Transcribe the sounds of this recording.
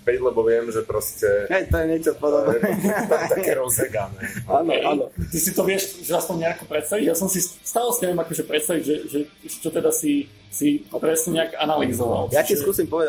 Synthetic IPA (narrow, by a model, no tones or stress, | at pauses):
pɛɟlɛbɔʋɪɛmʒɛpɾɔscɛɦɛjt̪ɔjɛɲɛt͡ʃɔpɔd̪ɔbnɛɛat̪akɛːɾɔzɛɡaːnɛaːnɔanɔt̪isit̪ɔʋɪɛʃʒɛaspɔɲɲɛakɔpɾɛt̪st̪aʋiɟjasɔmsist̪aːlɛsiɲɛʋjɛmakɔːʒɛpɾɛt̪st̪aʋiɟʒɛʒɛʒɛt͡ʃɔt̪ɛd̪asi | sipɾɛsɲɛɲɛaɡanalizɔʋa̰ljaiskuːsimpɔʋɛd̪a